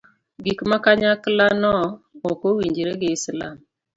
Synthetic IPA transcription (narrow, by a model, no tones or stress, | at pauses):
ɡikmakaɲaklanɔokowiɲd͡ʒeɾeɡesla̰m